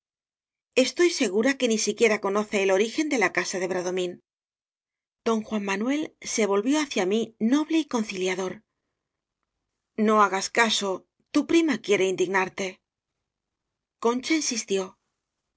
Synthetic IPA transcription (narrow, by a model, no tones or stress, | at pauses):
e̞st̪o̞jse̞ɣuɾake̞nisikje̞ɾako̞no̞θe̞ːlo̞ɾixe̞nd̪e̞lakasaðe̞β̞ɾaðo̞mĩn | d̪̥o̞ŋxwammanwe̞lse̞β̞o̞lβjo̞aθjamino̞βle̞iko̞nθiljaðo̞ɾ | no̞aɣaskaso̞ | t̪upɾimakje̞ɾe̞ind̪iɣnaɾt̪e̞ | ko̞nt͡ʃainsist̪jo̞